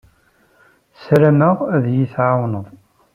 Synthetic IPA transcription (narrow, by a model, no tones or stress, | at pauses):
sɾænəʁæðjiθʕawnəðˤ